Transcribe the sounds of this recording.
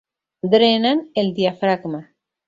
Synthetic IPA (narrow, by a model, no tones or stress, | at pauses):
d̪ɾenaneld̪iafɾakma